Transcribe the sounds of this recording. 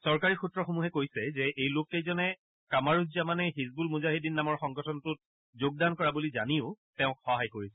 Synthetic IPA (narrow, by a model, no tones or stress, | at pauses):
sɔɹkaɹixutːɹɔxomuɦɛkojsɛzɛʔejlokejzɔnɛ | kamaɹuzamanɛɦizbulmuzaɦidinːamɔɹxɔŋɡɔtʰɔnɔtʊt̚ | zoɡ̚dankɔɹabulizaniʊ | tɛʊ̃kxɔɦajkoɹisɛ